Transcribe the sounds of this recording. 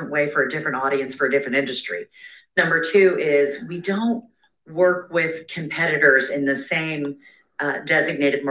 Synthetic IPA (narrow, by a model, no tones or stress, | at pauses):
nʔweɪfə˞ɨdɪfɹɨ̃ntɔɾiɨ̃nsfə˞ɨdɪfɹɨ̃ntɪ̃ndɨstɹ̥ḭ | nʌ̃mbə˞tʰʉɪzwidõʊ̃nt̚ | wɜ˞kwɪð̥kʰɨ̃mpʰɛɾɨɾə˞zɨ̃nðɨsẽɪ̃m | dɛzɨɡ̚neɪɾɨd̚m